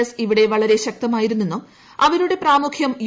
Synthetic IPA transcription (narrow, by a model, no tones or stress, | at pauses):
ɐsiʋiɽe̞ʋɐɭɐɾe̞ɕɐk̚t̪ɐmaːjiɾunːenːum | ɐʋɐɾuɽe̞praːmukʰjɐmj